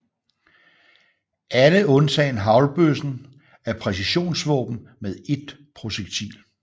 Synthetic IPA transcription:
ʔæləɔ̽nt͡sʰɛ̰ːnɦɑ̈ʊlb̥øsn̩ | æɐpʰʁɛsiɕo̝̰ːnsʋɔ̰ːb̥m̩með̞ˠe̝d̥̚ | pʰʁo̝ɕeɡ̥̚t͡sʰḭːl

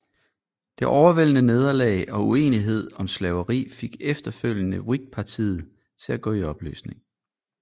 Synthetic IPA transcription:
d̥e̝ʔɒʊɐʋel̰ənəne̝ð̞ˠɐlɛ̰ɪʔɒ̽ue̝̰ːniɦe̝ð̞̰ˠɒ̽mslɛʊəʁḭːfe̝ɡ̥efd̥ɐføl̰jənəʁiɡ̥̚pʰɑ̈t͡sʰḭːð̩ˠ | t͡sʰe̝læɡ̥ɔ̰̽ːiɒ̽b̥ly̰ːsne̝ŋ

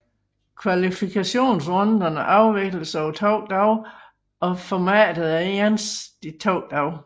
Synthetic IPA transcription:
kʰʋælifikʰæɕo̝̰ːns̬ʁɔnd̥ɐnəʔɑ̈ʊʋeɡ̥ləsaʊt͡sʰɒʊ̰d̥ɑʊ | ɒ̽fɒmɛ̰ːd̥əð̩ˠeɐnsd̥it͡sʰɒʊ̰d̥ɑ̈ʊ

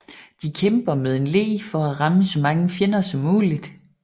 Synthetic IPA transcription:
d̥ikʰemb̥ɐmeð̞ˠe̝nle̝̰ːfɒ̽æʁɑ̈məsɒ̽mɑ̈ŋəfjenɐsɒ̽mːuːlid̥

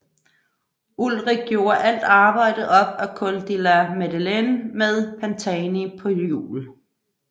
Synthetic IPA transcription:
ulʁiɡ̥̚ɡjo̝ːɐʔæl̰d̥ɑ̈ːb̥ɑ̈ɪ̰ɾ̥ð̩ˠɒ̽b̥ækʰɔld̥ilæmed̥ilenmeðˠpʰænt͡sʰɛnipʰɒ̽jṵːl

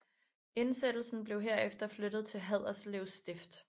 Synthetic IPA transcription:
e̝nsed̥l̩sn̩b̥le̝ʊɦe̝ɐefd̥ɐflød̥ð̩ˠt͡sʰe̝lɦæð̞̰ˠɐsleʊsd̥e̝fd̥

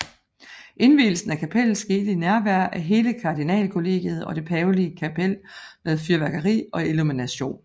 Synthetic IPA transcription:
ʔe̝nʋḭːl̩sn̩ækʰæpʰeln̩sɡ̥e̝̰ːd̥əinæɐʋæɐʔæɐɦe̝ːləkʰɑ̈d̥inɛ̰ːlkʰo̝le̝̰ːɡ̥jəð̞̩ˠɒ̽d̥e̝pʰɛːʊliəkʰæpʰel̰með̞ˠfyɐʋæɡ̥ɐʁḭːɒ̽eluminæɕo̝̰ːn

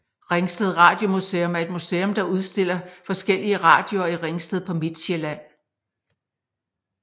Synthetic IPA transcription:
ʁeŋsd̥eð̞̩ˠʁɑ̈ːd̥jo̝museːɔmæɐe̝d̥museːɔ̽md̥ɑ̈uð̞ˠsd̥e̝l̰ɐfɒ̽sɡ̥el̰iəʁɑ̈ːd̥jo̝ɐiʁeŋsd̥eð̞̩ˠpʰɒ̽med̥ɕelæn̰

